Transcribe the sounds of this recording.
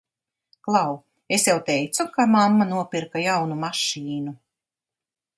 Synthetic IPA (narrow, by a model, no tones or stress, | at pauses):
klˠaw | esjawt̪ɛjt̪sukamamːanuɔpʲiɾkajawnumaʃiːnu